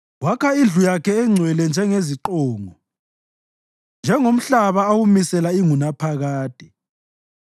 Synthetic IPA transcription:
wakʰaind͡ɮujakʰɛːŋ͡ǀʱwɛlɛnd͡ʒʱɛŋeziǃɔːŋɔ | nd͡ʒʱɛŋom̩ɬaβaowumisɛlaiŋunapʰaɣaːd̥ʱɛ̥

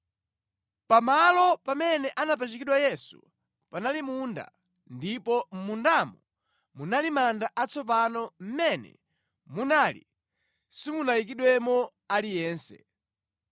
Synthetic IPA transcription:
pamalɔpamɛnɛʔanap̬at͡ʃikiɗwajɛsṵ | panalimuːnda̰ | ndipɔm̩mundamɔ | munalimandaʔat͡sɔp̬anɔm̩mɛnɛ̰ | munaːlḭ | simunajik̬iɗwɛmɔ | alijɛːnsɛ̰

